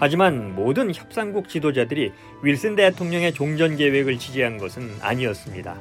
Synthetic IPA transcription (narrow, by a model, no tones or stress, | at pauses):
had͡ʑimanmodɯnçjʌp̚s͈aŋɡuk̚t͡ɕidod͡ʑadɯɾi | ɥiɭs͈ɯnde̞tʰoŋɲʌŋe̞t͡ɕoŋd͡ʑʌnɡe̞we̞ɡɯɭt͡ɕid͡ʑiɦanɡʌsʰɯna̰ɲiʌs͈ɯmɲida̰